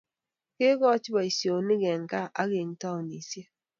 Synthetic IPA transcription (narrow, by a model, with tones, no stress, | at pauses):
ke˦ɣɔ˦t͡ʃi˦ba˨i˨sjo˨ni˦ɡɛ˨ŋ˨ka˦ʔa˦ɣe˨ŋ˦ta˦o˨ni˨se˦